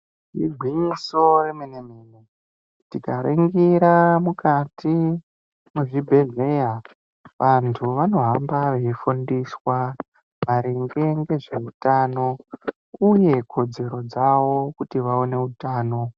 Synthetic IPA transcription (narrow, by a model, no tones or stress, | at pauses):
ʐiɡʱwiɲiso̞remenemeːne | tikaɾiŋɡiɾamukatʰi | muʐibʱe̞ɮe̞ja | ʋantʰuʋano̞ɦambaʋe̞ifundiswa | ʋaɾiŋɡe̞ŋɡe̞ʐe̞utaːno̞ | uje̞kʰo̞d͡ze̞ɾo̞d͡zaʋo̞kutiʋaone̞utaːno̞